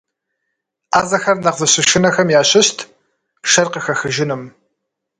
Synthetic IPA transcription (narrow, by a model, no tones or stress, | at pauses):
aːzɐxɐrnɐqzɨɕɪʃɪnɐxɐmjaːɕɪɕtʰ | ʃɐrqəxɐxɨʒɪnɨm